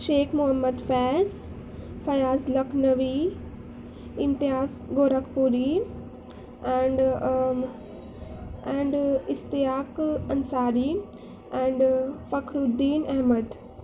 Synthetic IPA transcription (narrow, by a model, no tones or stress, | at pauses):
ʃeːkmʊɦəmːəd̪fɛːz | fɐjaːzlɐknɐʋi | ɪnt̪ɪjaːz | ɡoːɾɐkpuːɾi | ɛɳɖ | ɛ̃ːɳɖɪst̪ɪjaːkɐnsaːɾi | ɛ̃ːɳɖfɐkɾʊd̪ːiːnɛɦməd̪